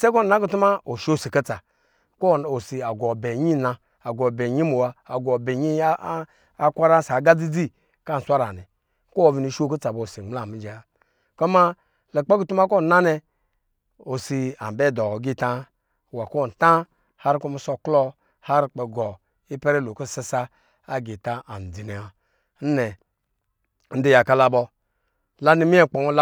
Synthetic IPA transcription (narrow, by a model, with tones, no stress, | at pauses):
se˦k̬o˦˨na˦ku˦tu˦ma˦o˨ʃo˦˨si˨ka˦t͡sa˨ | ko˦˨o˨si˨a˨ɡo˨be˨ɲi˦˨na˧ | a˨ɡo˨be˨ɲi˦mu˨waː˧˨ɡo˨be˨ɲi˦ | a˦kʷa˦ɾa˦sa˨˦ɡa˦d͡zi˦d͡zi˦ | ka˦n̩˨sʷa˦ɾa̰˨nɛ˨ | ko˦o˨vi˨ni˨ʃo˦ku˦t͡sa˨bo˨o˨si˨ŋ͡mla˦˨mi˦d͡ʒe˨a˨˦ | ko˦ma˦ | le˨k͡pe˦ku˦tu˦m˦a˦ko˦˨na˦ne˧ | o˨si˧a˨m˨bɛ˦˨dɔ˨˦ɡi˦˨ta˦˨ | wa˨ko˦˨tã˦ | ha˦ɾi˦ku˦mi˦sɔ˦klɔ˦ | ha˦ɾi˦k͡pe˨ɡɔ˨ | i˦pe˦ɾe˦lo˨ko˦˨sa˦saː˦ | ɡi˨ta˦a˨n̩˨d͡zi˨ne˨a˨ | n̩˦nɛ˨˦ | n̩˦de˦ja˨ka˦la˨bɔ˧ | la˦ni˦mi˦e˦˨k͡pɔ˨ŋo˦l